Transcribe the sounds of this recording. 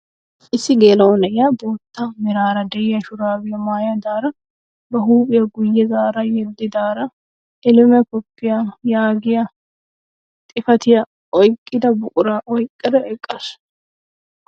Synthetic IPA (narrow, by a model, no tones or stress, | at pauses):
ʔɪsːɪɡeːlɐnɛjɐboːt̪ːɐmɪɾaːɾɐd̪ɛjɪjɐʃʊɾaːbɪjɐmaːjɐd̪aːɾɐ | bɐɦuːpʼɪjɐɡʊjːɛzaːɾɐjɛd̪ːɪd̪aːɾɐ | ʔɪlɪmɛkɔpːɪjɐjaːɡɪjɐ | t̪ʼɪfɐt̪ɪjɐ | ʔɔjkʼːɪd̪ɐbʊkʼʊɾaʔɔjkʼːɐd̪ɐʔɛkʼːɐs